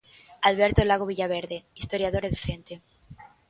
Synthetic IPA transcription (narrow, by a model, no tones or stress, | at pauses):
aðβeɾt̪olaɣoβiʎaβ̞eɾðeist̪oɾjaðoɾeðθent̪e